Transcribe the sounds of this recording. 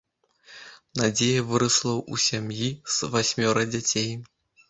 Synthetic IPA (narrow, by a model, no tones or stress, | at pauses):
nad͡zʲejɐvɨɾɐslˠɐwusʲamjiz̥vasʲmʲɔɾɐd͡zʲat͡sʲej